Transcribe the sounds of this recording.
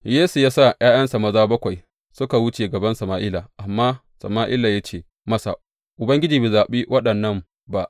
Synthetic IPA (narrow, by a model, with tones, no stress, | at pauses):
jeː˦su˨jaː˦sa˦˨j̰aː˦jɐ˦nsa˨mɐ˦zaː˦bɐ˦kʷa˨j | sʊ˦ka˨wʊ˦t͡ʃeː˨ɡɐ˨bɐ˦nsɐ˨maː˨ʔɪ˦laː˨ʔa˨mːaː˦ | sɐ̰˨maː˦ʔɪ˦la˨ja˦t͡ʃeː˦˨ | mɐ˦sa̰˨ | ʔʊ˨bɐ˦ŋɡʲɪ˦d͡ʒiː˨beː˨zaː˨ɓeː˦wʔɐ˦ɗɐ˨nːɐ˦m | ba˨ʔ